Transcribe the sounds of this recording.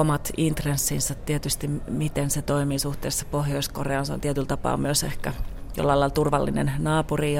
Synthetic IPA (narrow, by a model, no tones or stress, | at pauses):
omɑt̪int̪resːinsɑt̪ːiet̪yst̪imit̪enset̪oimiːsuht̪eːsse̥pohjoiskoreɑnseo̰nt̪iet̪ylt̪ɑpɑ̰ːmyøsehkæjo̰lːɑilɑilt̪urʋɑlːḭnḛnnɑːpuri